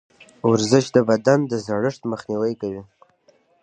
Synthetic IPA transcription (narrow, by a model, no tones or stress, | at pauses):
ʊɾzɪʃd̪əbad̪and̪əzaɽəʂt̪məxniwajkawi